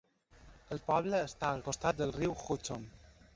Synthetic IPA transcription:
əlˠpɔβləːst̪aəlkost̪at̪̚d̪əlˠriwxut͡som

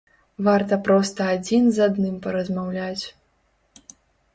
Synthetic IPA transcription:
vart̪ɐpɾɔst̪ɐːd͡zʲinzad̪nɨmpɐɾɐzmawlʲat͡sʲ

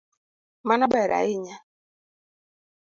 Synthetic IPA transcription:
manaɓaɛɾa̰iɲa

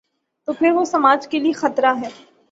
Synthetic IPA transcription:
t̪oːpʰɪɾʋosɐmaːd͡ʒkeliexɐt̪ɾaɦɛː

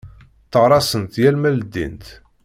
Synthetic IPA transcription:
t̪ːəʁɾˤɑsənt̪jælmæld̪ːḭnt̪

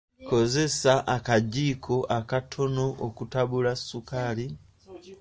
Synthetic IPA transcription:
ko̞ze̞saʔakaɟiːkʰo̞ʔakatʰo̞no̞ʔokutaβulasːukaːli

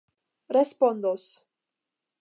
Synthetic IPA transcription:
respond̪os

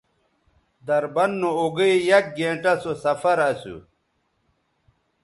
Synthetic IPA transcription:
d̪ɐɾbɐnːooɡɐjjɐk̚ɡẽːɳʈɐsosɐfɐɾɐsṵ

